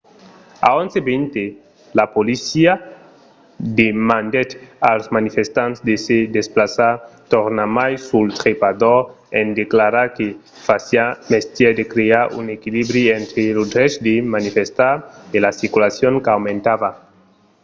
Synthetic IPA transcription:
a̰õnsebent̪e | lapolisia | d̪emand̪et̪alsmanifest̪ãntsd̪esed̪esplasat̪oɾnamajsult̪ɾepad̪oɾ | end̪eklaɾaɾke | fasiamest̪jɛd̪ekɾeaɾṵnekilibɾient̪ɾelod̪ɾesd̪emanifest̪aɾelasiɾkulasjoŋkawmẽnt̪ava

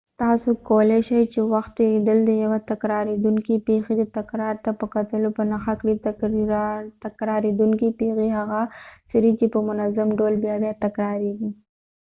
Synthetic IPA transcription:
t̪ɑsokoleʃajt͡ʃewaxt̪ːelid̪əld̪əjawat̪akɾɑɾed̪uŋkipexed̪ət̪akɾɑɾt̪apəkat̪əlopənaxakɽit̪ak | t̪akɾɑɾed̪uŋkipexiɦaɣasaɾit͡ʃepəmʊnazamɖolbjabjat̪akɾɑɾeɡi

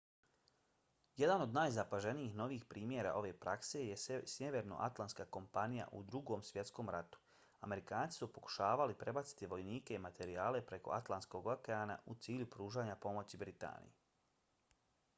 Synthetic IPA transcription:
je̞d̪ano̞d̪naːjzapaʒe̞nijixno̞ʋiːxpɾiːmjeɾa̰ʔo̞ʋe̞ːpɾʔakse̞je̞sjeʋe̞ɾno̞̰ʔa̰t̪lˠanskako̞mpanija̰ʔṵd̪ɾuɡo̞ːmsʋje̞t̪sko̞ːmɾat̪u̥ | ame̞ɾikaːnt̪i̥supo̞ku̥ʃaːʋalipɾe̞bat̪si̥t̪iʋo̞jniːke̞imat̪ʰe̞ɾiaːle̞pɾe̞ko̞̰at̪lˠansko̞ɡokeaːna̰ut̪siːʎupɾuːʒaːɲapo̞mo̞t͡ɕibɾit̪a̰ːnḭje

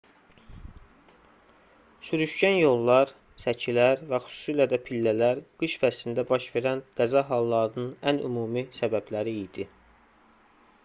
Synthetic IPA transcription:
syɾyʃɟænjo̞lˠːɑɾ | sæcʰilæɾvæxy̥su̥silæd̪æpʰilːælæɾɡ̥ɯʃfæst̪ind̪æbɑʃve̞ɾænd̪̥æzɑɦɑlˠːɑɾɯnɯnæny̰muːmisæbæblæɾiːd̪̥i

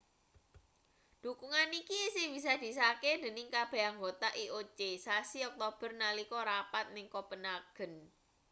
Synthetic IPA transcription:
d̪̥ukuŋanikisɪb̥is̬ad̪̥i̤s̬aked̪̥ə̤nɪŋkab̥e̤aŋɡot̪aʔiʔot͡ʃesasiɔk̚t̪ob̥ə̤rnalikɔɾapat̪̚nɪŋkɔpənaɡ̥ə̤n

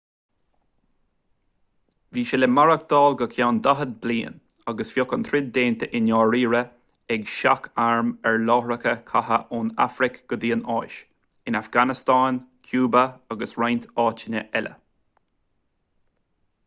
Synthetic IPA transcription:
viːʃɛləmaɹək̚d̪̥ɑːlɡəkʰjawnd̪aɦəd̪̚bliːn | aɡəsfjɔkənt̪ʰɾɪd̪̚d̪eːnt̪əʔɪnjɔːɹiːɹə | ɛɡʃakʰaɹmɛɹlɔːɾəkʰəkʰahə̰ʔuna̰fɾɪkɡ̥ʊd̪iːənɑ̰ːʃ | ɪnafɡanɪst̪ɑːnkʰjuːbəaɡəsɹajnt̪ɑːt͡ʃɪnʲə̰ʔɛlʔə̰

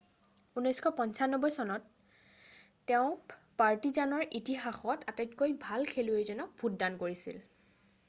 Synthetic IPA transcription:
unɔjskʰɔpɔɲsanːɔbɔjsɔnɔt | ɛʊ̃paɹtizanɔɹʔitiɦaxɔtatakkːojbʱalkʰeluezɔnɔk̚bʱut̚dankoɹisḭl

